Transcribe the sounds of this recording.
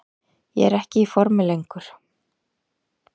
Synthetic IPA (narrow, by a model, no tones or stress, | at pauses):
jɛ̰ɛɾɛhcɪifɔɾmɪlejŋkʏɾ̥